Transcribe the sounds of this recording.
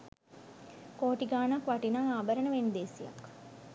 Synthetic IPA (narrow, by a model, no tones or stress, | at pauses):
koːʈiɡaːnakʋaʈinaŋaːbəɾənəʋend̪eːsijɐ̰k